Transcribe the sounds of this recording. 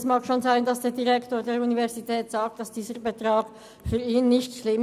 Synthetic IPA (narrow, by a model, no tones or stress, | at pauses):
smaːkʃoːnzaɪndɑsd̥eːɐdiʁɛktoːɐdeːɐɾunivɛɐzitʰɛːtz̥aːk̚td̥asd̥iːzəʁbetʁ̥aːɡ̥ | fyːɐiːnːɪçtʃlɪm